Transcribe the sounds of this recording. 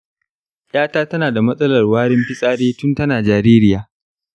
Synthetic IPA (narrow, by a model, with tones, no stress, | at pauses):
j̰ʔaː˦taː˦tɐ˦naː˨da˨mɐ˦sʼɐ˦lɐ˨rwaː˦ɽɪ˦mɸɪ˦sʼaː˦ɽeː˦tʊ˦ntɐ˦naː˨d͡ʒaː˨ɾeː˦ɾɪ˦jaː˨